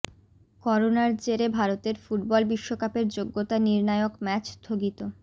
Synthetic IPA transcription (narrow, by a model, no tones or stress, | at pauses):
kɔɾonaɾt͡ɕeɾebʱaɾot̪eɾfuʈ̚bɔlbiʃːokapeɾd͡ʑoɡːot̪aniɾnaeokmɛt͡ɕd̪ʱʰoɡit̪o